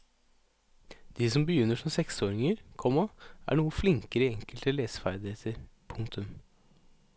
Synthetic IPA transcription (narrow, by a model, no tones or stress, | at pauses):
d̪̥iːsɔmbəjʏnːəʂɔmsɛksoːɾɪŋəɾkʰɔmɑæ̰ːɳuːəflɪŋkəɾəɪɛŋkəlt̪əleːsfæɾd̪ɪheːt̪ʰəɾpʰʊŋt̪ʰʉm